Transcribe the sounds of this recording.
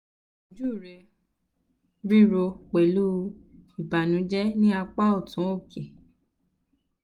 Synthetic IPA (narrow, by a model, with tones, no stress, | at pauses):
o˨d͡ʒu˦˨ɾe˧˨ | ɾi˦ɾo˧k͡pe˨lu˦˧i˨ba˨nũ˨˦d͡ʒɛ˦nĩ˦a˧k͡pa˦o˦˨tũ˨˦o˦˨ke˨